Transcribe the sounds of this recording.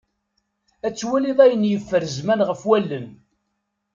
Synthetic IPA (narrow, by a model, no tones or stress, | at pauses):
æt͡sːwæliðˤæjənjəfːəɾzmænʁəfwælːən